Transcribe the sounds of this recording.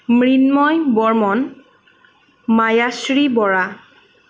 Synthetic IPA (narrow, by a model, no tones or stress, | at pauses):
mɹinmɔjbɔɹmɔn | majasɹibɔɹa